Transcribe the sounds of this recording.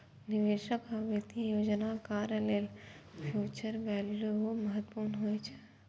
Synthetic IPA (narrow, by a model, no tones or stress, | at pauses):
nɪʋeːʃəkaʋet̪ijoːd͡ʒnakaːɾjəleːlpʰjuːt͡ʃəɾʋɛljuməɦət̪ːpuːɾnɦoːjt͡ʃʰɛ̥